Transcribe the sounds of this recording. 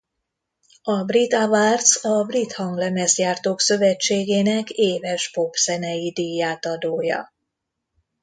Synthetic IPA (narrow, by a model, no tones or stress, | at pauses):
ɒbrit̪avart̪sɒbrit̪hɒŋɡlɛmɛzjaːrt̪oːksø̞vɛt͡ʃːeːɡeːnɛkeːvɛʃpo̞pz̥ɛnɛjid̪ijaːt̪ɒd̪oːjɒ̰